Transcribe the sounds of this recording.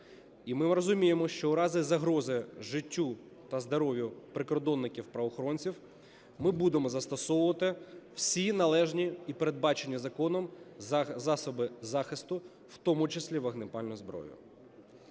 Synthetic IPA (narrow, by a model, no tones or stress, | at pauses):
imɪɾɔzʊmʲijemɔʃt͡ʃɔʊɾɑzɪzɐɦɾɔzɪʒɪtʲːu | t̪ɐzd̪ɐɾɔʋʲjʊpɾɪkɔrd̪ɔnːɪkʲiwpɾɐʋɔxɔɾɔnʲt͡sʲiw | mɪbud̪emɔzɐst̪ɔsɔwʊʋɐt̪ɪwsʲinɐlˠɛʒnʲiipeɾe̞d̪̚bɑt͡ʃenʲːizɐkɔnɔm | zɑsɔbɪzɑxɪst̪ʊ | w̥t̪ɔmʊt͡ʃɪsʲlʲiʋɐɦnɪpɑlʲnʊzbɾɔ̰jʊ̰